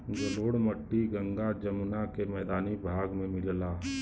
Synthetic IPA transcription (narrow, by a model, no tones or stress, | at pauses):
ɡɐloːɽməʈːiɡɐ̃ŋɡad͡ʒɐmnakemɛːd̪aːnibʱaːɡmẽmɪllaː